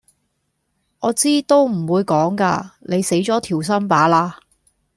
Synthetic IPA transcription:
ʔɔː˨˧t͡siː˥t̪o˥wm̩˨˩wuː˨˧jkɔː˨˥ŋka̰ː˧ne˨˧jse˨˥jt͡ʃɔː˨˥t̪ʰiː˨˩ws̬ɐ˥mpaː˨˥laː˧

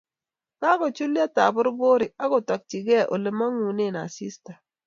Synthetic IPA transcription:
ka˦kɔ˨t͡ʃu˦li˦a˦ta˨bʊ˦ɾbo˦ɾɪ˨a˦ɡɔ˨tɔ˨k̚t͡ʃi˨ɡɛ˦˨ʔo̰˨lɪ˨ma˦ŋu˨ne˦˨na˨si˦sta˨

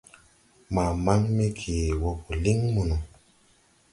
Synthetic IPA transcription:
ma˨ma˦ŋme˦kʰeː˨wɔ˦pu˨li˦ŋmu˨nu˨

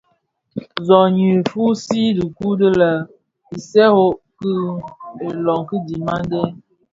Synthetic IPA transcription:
zɔ˨ɲi˨fu˦si˦də˨ku˦də˦lə˨ | i˨sɛ˦ho˦kɨ˦e˨lɔ˨ŋki˦di˨ma˦ŋɡɛ˦

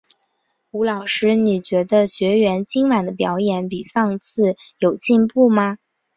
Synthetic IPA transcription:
u˧˥lɑ˨˩ʊʂɻ̩˥ni˨˩t͡ɕɥɛ˧˥d̪ə˧ɕɥɛ˧˥ɥɛ˧˥nt͡ɕi˥ŋwa˨˩nd̪ə˦pjɑ˧˥ʊjɛ˨˩˦npi˨˩ʂɑ˥˧ŋt͡sʰɹ̩˥˩jo˨˩ʊt͡ɕi˥˧npu˥˩mɐ˩

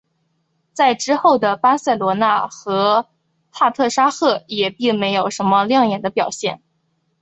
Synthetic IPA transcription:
t͡sa˥˩ɪʈ͡ʂɻ̩˥xo˥˩ʊd̪ə˩pa˥sa˥˩ɪlwɔ˧˥na˥˩xɤ˧˥ | p̪ʰa˥˧t̪ʰɤ˥˩ʂa˥xɤ˥˩jɛ˨˩pi˥˩ŋme˧˥ɪjo˨˩ʊʂə˧˥nmə˧ljɑ˥˩ŋjɛ˨˩nd̪ə˦pjɑ˨˩ʊɕjɛ˥˩n

